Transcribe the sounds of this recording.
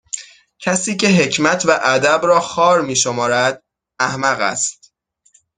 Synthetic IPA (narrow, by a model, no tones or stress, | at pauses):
cʰæsiːcʰe̞ɦe̞cʰmæt̪ʰvæʔæd̪æbɾɒːxɒːɾmiːʃomɒːɾæd̪̥̚ | æhmæɣæ̰st̪̚